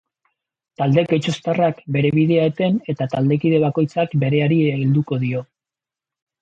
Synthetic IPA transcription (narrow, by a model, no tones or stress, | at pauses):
t̪ald̪e̞ket͡ʃo̞st̪arakbe̞ɾe̞β̞iðe̞aet̪e̞ne̞t̪at̪ald̪e̞kið̞e̞βako̞jt͡sakbe̞ɾe̞aɾiild̪uko̞ðio̞